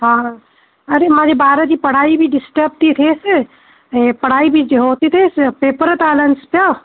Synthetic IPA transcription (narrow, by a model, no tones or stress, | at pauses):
ɦã | ɐɾemãːd͡ʒebaːɾəd͡ʒipɐɽ̤aːibʱiɖɪsʈəb̚t̪it̪ʰeːs | epɐɽ̤aːibʱid͡ʒeɦoːt̪it̪ʰeːspeːpəɾt̪aːlənspjo